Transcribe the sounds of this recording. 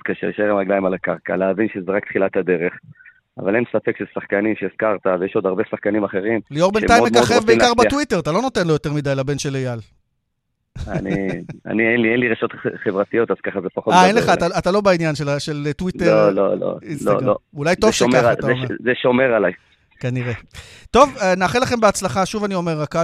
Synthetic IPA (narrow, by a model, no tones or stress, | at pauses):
kaʃḛʃeʁimʁaɡlaimalakaʁka̰leavinʃezeʁakt̪χilat̪ad̪e̞ʁeχ | a̰valensafekʃelsaχkanimʃeːskaʁt̪avejeʃo̞d̪aʁbesaχkanimaχe̞ʁimlioʁben̰tajmomemkaoχevbeikaʁbatwite̞ʁat̪alo̞no̞t̪enlo̞jo̞t̪eʁmid̪ajlabe̞nʃelejal | a̰nia̰nienlienliʁeʃo̞t̪χevʁat̪ijo̞t̪az̥kaχazepaχotmaenleχaaatalobainjanʃelaʃeltwiteolo̰lo̰islo̰o̰ulajttovʃemaʁaataezeʃomeʁalaj | kaniʁe̞t̪o̞vnaːχelaχe̞mbeat͡slaχaʃuvanio̞me̞ʁaka